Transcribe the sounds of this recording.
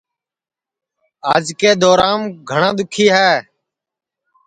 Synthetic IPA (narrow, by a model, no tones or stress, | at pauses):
aːd͡ʒkeːd̪ɔːɾaːmɡʱəɳãːd̪ʊkʰiːɦɛː